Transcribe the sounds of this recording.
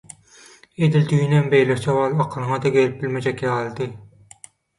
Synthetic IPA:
ed̪ɪld̪yjnɛmbejlɛt͡ʃ̪ʰɛwɑlˠɑqʰːəlˠŋɑd̪ɑɡʲelɪp̚bɪlmed͡ʒɛkʲːɑlˠd̪ɨ

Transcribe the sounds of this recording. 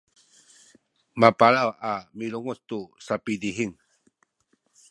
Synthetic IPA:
mapalawamiluŋust̪usapidiɦiŋ

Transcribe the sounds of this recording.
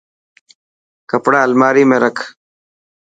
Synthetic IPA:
kəpɽaːəlmaːɾiːmẽːɾəkʰ

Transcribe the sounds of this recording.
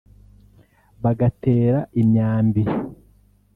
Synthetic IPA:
βaɡate̞ːɾaʔimɲaːmbi

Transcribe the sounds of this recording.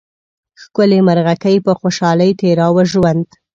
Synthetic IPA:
xkʊlemaɾɣakəjpəxoʃɑləjt̪eɾɑwaʒwand̪

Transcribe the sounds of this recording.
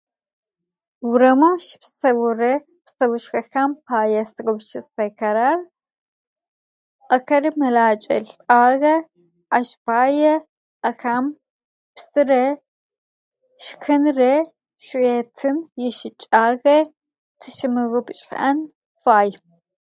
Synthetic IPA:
wɾɐmɐmʃɪ̥psɐwʊrɐ | psɐwɨʃxɐxampʰaːjɐsɨɣɨbʃɪsɐkʰɐɾar | ʔɐkʰɐɾɨmɐlaːt͡ʃʼɐ̰ɬʼaːɣɐ | ʔaʃpʰaːjɐ | ʔɐxam | psɨɾɐ | ʃxʰɨnrɐ | ʃʼʊjɛtʰɨmjɛʃɪt͡ʃʼaːɣɐ | tʰɨʃɪmɨɣɨbɕʼħɐn | faːj

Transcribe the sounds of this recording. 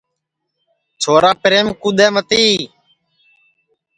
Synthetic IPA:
t͡ʃʰoːɾaːpɪɾeːmkuːɗ̪ɛːmət̪iː

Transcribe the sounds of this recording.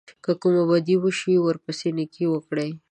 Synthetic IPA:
kəkumabad̪iwəʃiwəɾpəsenikʰiwəkɽej

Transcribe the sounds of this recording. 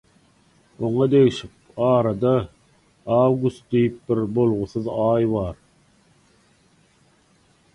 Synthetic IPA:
oɴɑd̪e̞jiʃip̚ | ɑːɾɑd̪ɑ | ɑwɡust̪̚d̪ejip̚biɾbolˠʁʊθɯðɑːjβɑːɾ

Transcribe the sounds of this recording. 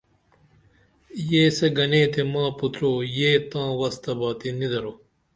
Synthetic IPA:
jeːseɡɐneːt̪ʰemãːput̪ɾoːjeːt̪ãːwɐst̪ɐbaːt̪inid̪ɐɾoː

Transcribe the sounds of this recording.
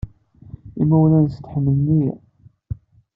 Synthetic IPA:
imæwlænst̪ħəmːəlnij

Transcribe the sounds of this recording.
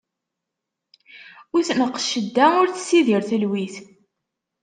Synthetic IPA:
ʊɾθnəqːʃəd̪ːæʊɾθsːiðiɾθəlwiθ

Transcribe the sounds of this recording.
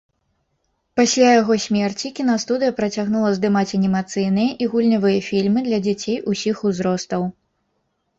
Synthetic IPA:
pasʲlʲajaɣɔsʲmʲɛrt͡sʲikʲin̪ast̪ud̪ɨjɐpɾɐt͡sʲaɣnulˠɐzd̪ɨmat͡sʲɐnʲimat̪sɨjnɨjɛʔiɣulʲnʲɐvɨjɐfʲilʲmɨd̪lʲɐd͡zʲat͡sʲejʔusʲixuzɾɔst̪ɐw

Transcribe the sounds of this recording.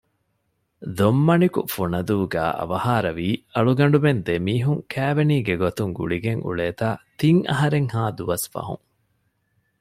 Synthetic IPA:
d̪omːɐnikṵfunɐd̪uːɡæ̰ːʔɐ̰ʋɐhaːɾɐʋiːɐɭuɡɐɳ̆ɖumend̪emiːɦuŋkʰæːʋeniːɡeɡot̪uŋɡṵɭiɡeŋʔṵɭeːt̪aːt̪iŋʔɐ̰ɦɐɾeŋhaːd̪uʋɐsfɐ̰ɦṵŋ

